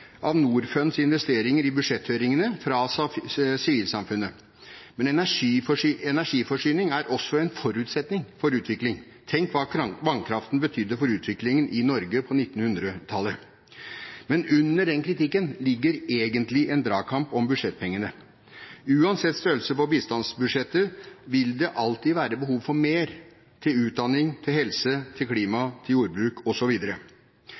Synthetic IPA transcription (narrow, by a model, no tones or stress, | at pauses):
ʔɑʋnuːɾfœnsɪnʋɛst̪eːɾɪŋəɾɪbʉd̪ʂɛt̪høːɾɪŋənəfɾɑ | sɪʋiːlsɑmfʉnːə | mɛnɛnæʂiɛnæʂiːfɔʂyːnɪŋæɾʔɔsːɔɛnfɔɾʉːt̪sɛt̪nɪŋfɔɾʉːt̪ʰʋɪklɪŋ | t̪ʰɛŋkʋɑːkʋɑŋkʰɾɑft̪n̩bət̪ʰʏd̪ːəfɔɾʉːt̪ʰʋɪklɪŋənʔɪnɔɾɡəpʰɔnɪt̪ːn̩hʉnd̪ɾət̪ʰɑlːə | mɛnʉnːəɖɛnkʰɾɪt̪ɪkːənlɪɡːəɾeːɡənt̪lɪʔɛnd̪ɾɑːɡkʰɑmpɔmbʉd̪ʂɛt̪̚ːpʰɛŋːənə | ʉːɑnsɛt̪ːst̪øːlsəpɔbiːst̪ɑnsbʉʂɛt̪ːəʋɪld̪ɛʔɑlt̪iːʋæːɾəbəɦuːʋfɔɾmeːɾ | t̪ʰɪlʉːt̪̚d̪ɑnɪŋt̪ʰɪlhɛlsət̪ʰɪlkʰliːmɑt̪ʰɪljuːɾbɾʉːkʰɔsɔʋiːd̪əɾə